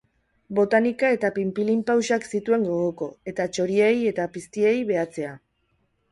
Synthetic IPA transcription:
bo̞t̪anikae̞t̪apimpilimpawsaksit̪ue̞ŋɡo̞ɣoko̞e̞t̪at͡ʃo̞ɾieje̞t̪apist̪ie̞jβe̞at͡se̞a

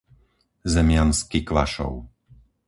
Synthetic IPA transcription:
zɛmɪanskikʋa̰ʃɔ̰ʊ

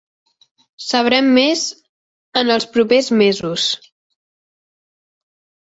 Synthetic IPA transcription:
səβ̞ɾɛmːez | ənəlˠspɾupezmezus

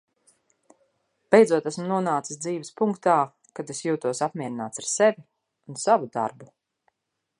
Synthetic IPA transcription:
b̥ejd̪zuɔt̪æsmunuɔnaːt̪i̥sd̪ziːvɛspuŋkt̪aː | kad̪esjuːt̪uɔsapmʲiɛɾinaːt̪saɾsevi | unsavud̪a̰ɾbu

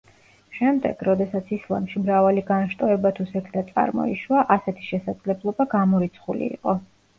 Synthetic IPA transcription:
ʃɛmd̪ɛ̰ɡ̥ɾɔd̪ɛsat̪sʰislˠa̰mʃimɾavaliɡanʃt̪ʼɔɛbat̪ʰusɛkʰd̪at̪sʼa̰ɾmɔ̰ḭʃwaʔasɛt̪ʰi̥ʃɛsad̪zlɛblˠɔbaɡamɔɾit̪sʰχulḭḭqʼɔ

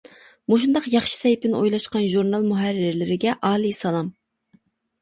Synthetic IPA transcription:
muʃ̬und̪ɑqjɑχʃi̥sɛjpɪnojlˠɑʃqɑnʒuɾnɑlˠmuɦæɾːɪɾlɪɾɪɡʲɛʔɑːlˠisɑlˠɑm

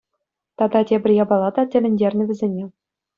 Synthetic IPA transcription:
t̪ɑd̪ɑtʲebʲɘ̆rʲjɑbɑlˠɑd̪ɑtʲɘ̆lʲɘ̆nʲdʲerʲnʲɘ̆ʋʲɘ̆zʲenʲe

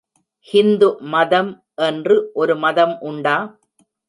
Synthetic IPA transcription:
hɪnd̪ɯmɐðɐm | ʔɛndrɯʔɔɾɯmɐðɐmʔʊɳɖaː

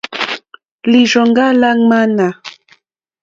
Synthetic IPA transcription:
lɪʃoɴɢɑlaŋmana

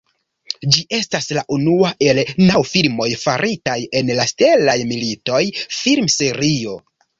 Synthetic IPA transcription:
d͡ʒiʔe̞staslaʔunuaʔe̞lnawfilmo̞jfaɾʔitaje̞nlaste̞lajmilito̞jfilmse̞ɾio̞

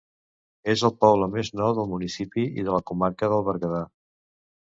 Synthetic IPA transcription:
ezəlˠpɔβləmeznɔwðəlˠmunisipiḭðələkumaɾkəðəlˠβəɾɣəða

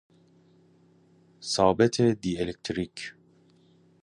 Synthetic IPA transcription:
sɑːbɛt̪ʰed̪ielek̚t̪ʰɾik

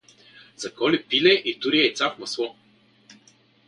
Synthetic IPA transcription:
z̥ɐkɔlipilɛʔit̪uɾiɛit̪safmɐslˠɔ

